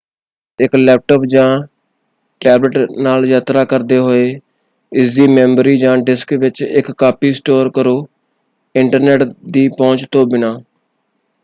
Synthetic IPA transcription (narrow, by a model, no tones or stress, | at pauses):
ɪklɛːp̚ʈoːpd͡ʒãː | ʈɛːbləʈnaːljaːt̪ɾaːkəɾd̪eːɦoːeː | ɪsiːmɛ̃ːmbɾiːd͡ʒãːɖɪskʋɪt͡ʃɪkːaːpiːsʈoːɾkəɾoː | ɪɳʈəɾneːʈd̪iːpɔ̃ːt͡ʃt̪õːbɪnaː